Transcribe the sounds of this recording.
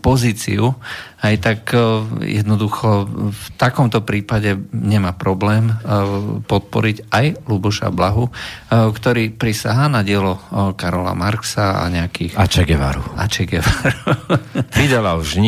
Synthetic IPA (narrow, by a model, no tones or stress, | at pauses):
pɔziːt͡sḭuhajt̪akjɛ̰d̪nɔd̪uxɔft̪akɔmt̪ɔpɾiːpaɟɛɲɛmaːpɾɔblɛːm | pɔt̪̚pɔ̰ɾicajlubuʃa̰blaɦukt̪ɔɾiːpɾisaɦaːnaɟɪɛlɔkaɾɔla̰maɾksaa̰ɲɛakiːat͡ʃɛɡɛʋa̰ɾuʔat͡ʃɛɡɛʋaɾuʋid̪alauʒɲ